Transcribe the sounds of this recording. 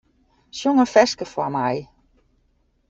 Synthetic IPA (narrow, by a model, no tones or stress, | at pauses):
sjoŋəfɛskəfɔmaj